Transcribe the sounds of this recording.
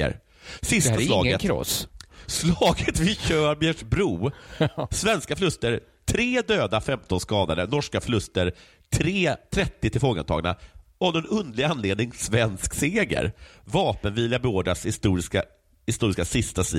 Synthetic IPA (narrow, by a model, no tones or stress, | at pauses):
ə̰ɾ | sɪst̪aslɑːɡət̪ʰɾɔ̰sslɑːɡət̪vɪɕœːɾbjɛʂbɾuː | svɛnskafʏlɵst̪əɾ | t̪ʰɾeːd̪øːd̪afɛmt̪ʰɔnskɑːd̪ad̪ənɔʂkafʏlɵst̪əɾ | t̪ʰɾeːt̪ʰɾɛt̪ːɪt̪ʰɪlfɔːɡa̰nt̪ɑ̰ːɡna̰ɔd̪ɛnɵnd̪lɪɡanːleːd̪nɪŋsvɛnskseːɡə̰ɾvɑːpənviːlɪabɛoːɖɾashɪst̪uːɾɪska | hɪst̪uːɾɪskasɪst̪asḭ